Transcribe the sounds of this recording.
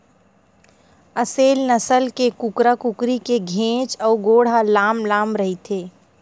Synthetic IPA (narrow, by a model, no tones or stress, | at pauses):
əseːlnəsəlkekʊkɾakʊkɾikeɡʱẽːt͡ʃɔːɾɡoːɽ̤alaːmlaːmɾɐɦit̪ʰeː